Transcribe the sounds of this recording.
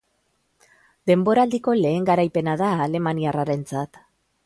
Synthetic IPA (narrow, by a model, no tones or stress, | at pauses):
d̪e̞mbo̞ɾald̪iko̞le̞ːŋɡaɾajpe̞naðaːle̞maniaraɾe̞nt͡sat̪